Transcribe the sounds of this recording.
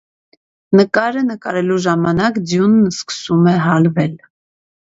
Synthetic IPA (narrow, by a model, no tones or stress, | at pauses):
nəkɑɾənəkɑɾɛluʒɑmɑnɑkd͡zjunːskə̥sumɛɦɑlvɛl